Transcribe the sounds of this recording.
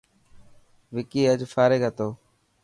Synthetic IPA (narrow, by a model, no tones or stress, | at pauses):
ʋɪkiːəd͡ʒfaːɾɪɡɦət̪oː